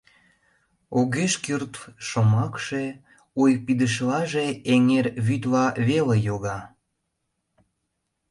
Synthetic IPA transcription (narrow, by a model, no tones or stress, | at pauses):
oɣeʃkyrt̪ʃomɑkʃe | ujpid̪əʃ̬lɑʒeeŋerβyt̪lɑβelejoɣɑ